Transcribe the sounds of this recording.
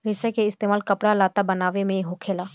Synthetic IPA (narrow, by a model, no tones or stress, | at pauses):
ɾɪsɛkeɪst̪eːmaːlkɐpɽalaːt̪abɐnaːʋemẽɦoːkʰeːlaː